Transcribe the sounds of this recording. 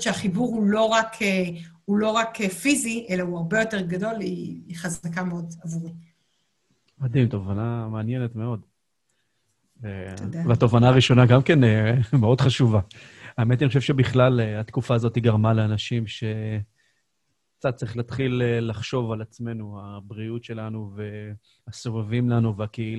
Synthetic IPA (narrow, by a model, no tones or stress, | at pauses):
t͡ʃeaχibuʁulo̞ʁakʰeulo̞ʁakefiziʔelauaʁbe̞jo̞te̞ʁɡado̞liːχazakameo̞d̪azaʁi | mad̪imtovanameanjenetme̞o̞d | vedveat̪o̞vanaːʁiʃo̞naɡamke̞nemeo̞dχaʃuvaaemetanioʃeʃebiχlaleat̪kufaːzo̞t̪iɡaʁmaleanaʃimʃe̞ | kt͡sat̪̚t͡sʁiχlat̪χilelaχʃo̞valat͡sme̞nuabʁiutʃe̞lanuve̞ | aso̞vavimlanuveakeil